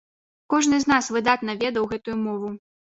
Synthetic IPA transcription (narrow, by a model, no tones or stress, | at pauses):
kɔʐnɨzn̪asvɨd̪at̪nɐvʲɛd̪ɐwɣɛt̪ujumɔvu